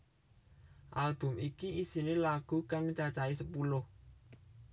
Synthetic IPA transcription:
ʔalb̥ʊ̤mikiisinelaɡ̥ṳkaŋməɲt͡ʃat͡ʃaisəpulʊh

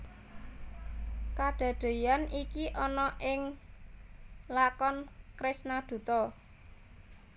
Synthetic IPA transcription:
kaɖ̥a̤ɖ̪̥e̤janikiʔɔnɔʔɪŋ | lakɔnkɾɪsnad̪̥ṳt̪ɔ

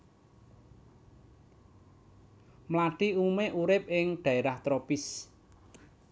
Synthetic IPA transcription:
mlaɖ̥iumeʔuɾɪp̚ʔɪŋɖ̪̥a̤eɾaht̪ɾopɪs

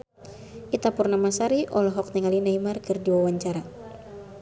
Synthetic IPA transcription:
ʔit̪apurnamasaɾiʔɔlɔɦɔk̚nɛŋalinaimarkɨrdiwawaɲt͡ʃaɾa

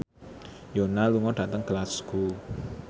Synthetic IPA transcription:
jonaluŋɔɖ̥a̤t̪əŋɡ̥əlasku

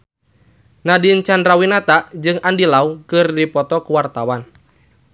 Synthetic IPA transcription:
nadint͡ʃandrawinat̪aʔd͡ʒɨŋandilaukɨrdipɔt̪ɔkuwart̪awan

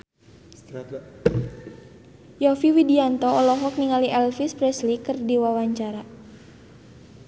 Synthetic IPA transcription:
jɔfiwidiant̪ɔɔlɔɦɔk̚niŋaliʔɛlfispɾɛslikɨrdiwawaɲt͡ʃaɾa

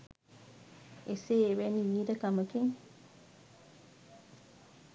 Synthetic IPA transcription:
eseːwɛniɲidəkaməkeŋ

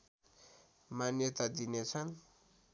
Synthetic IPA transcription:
manjʌt̪ad̪inet͡sʰʌn

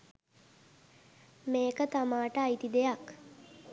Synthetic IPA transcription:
meːkət̪amaːʈəajt̪id̪ejak

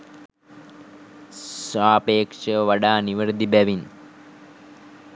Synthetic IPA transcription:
saːpeːkʂɐʋɐɖaːniʋɐɾd̪ibɐʋin

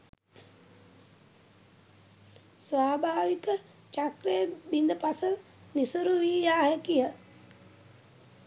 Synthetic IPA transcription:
sʋaːbʱaːʋikə | t͡ʃakɾejəbind̪əpasə | nisuɾuʋiːjaːɦəkijə

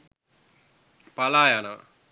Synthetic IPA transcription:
palaːjanɐʋ̰

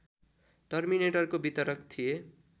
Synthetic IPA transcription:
ʈʌrmineʈʌrkobit̪ʌɾʌkt̪ʰije

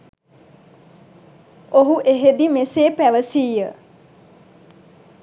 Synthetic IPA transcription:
oɦuʔeɦed̪imeseːpæʋəsiːjə

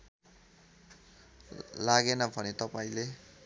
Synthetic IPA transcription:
laɡenʌbʱʌnet̪ʌpaĩle

